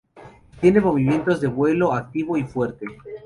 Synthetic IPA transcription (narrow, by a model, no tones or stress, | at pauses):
t̪je̞ne̞mo̞β̞imje̞nt̪o̞zðe̞βwe̞lo̞ak̚t̪iβo̞ifwe̞ɾt̪e